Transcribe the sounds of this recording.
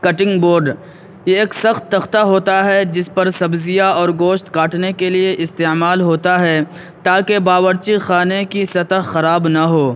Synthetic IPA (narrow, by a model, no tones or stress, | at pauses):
kɐʈɪ̃ŋɡboːɾɖ | jeːksɐxt̪ːɐxt̪aɦoːt̪aɦɛd͡ʒɪspɐɾsɐbzɪijaɔːɾɡoːʃt̪kaːʈnekelieʔɪst̪eːmaːlɦoːt̪aɦɛ | t̪aːkebaːwəɾt͡ʃixaːnekisɐt̪əɦxɐɾaːbnaɦoː